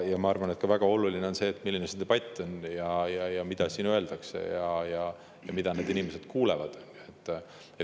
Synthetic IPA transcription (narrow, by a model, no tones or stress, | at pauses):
jɑmɑɑrvɑne̞t̪̚kɑvæɡ̥ɑo̞lulineo̞nse̞ːt̪ːmilːinesind̪̥ebɑt̪ʲːˑonjɑjɑjɑmid̪̥ɑsiːnøe̞ld̪̥ɑksḛjɑjɑ | jɑmid̪̥ɑne̞ːd̪inʲime̞se̞d̪̥kuːlevɑd̪̥et̪ː | e